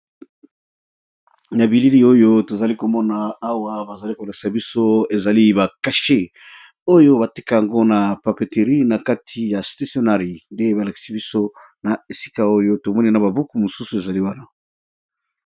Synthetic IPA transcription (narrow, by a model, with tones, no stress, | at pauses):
na˨bi˨li˦li˦o˦jo˦to˨za˨li˦ko˨mɔ˦naː˨˦wa˦ba˨za˨li˦ko˨la˨ki̥˨sa˨bi˦so˦e˨za˨li˦ba˨ka˨ʃe˦ | o˦jo˦ba˨ti˦ka˨ja˨ŋɡo˦na˨pa˨pe˨te˨ʁi˦na˨ka˦tʰi˨ja˨sta˦sjo˦na˦ʁi˨nde˦ba˨la˨ki̥˨si˦bi˦so˦ | na˨e˨si̥˦ka˦o˦jo˦to˨mɔ˦ni˦na˨ba˨bu˦ku˨mo˨su˦su˨e˨za˨li˦wa˦na˨